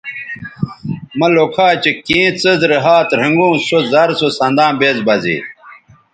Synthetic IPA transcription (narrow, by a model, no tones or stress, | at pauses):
mɐlokʰaːt͡ɕekĩːt͡səzɾeɦaːt̪ɾɐŋɡũːsozɐɾsosɐnd̪ãːbeːzbɐzḭː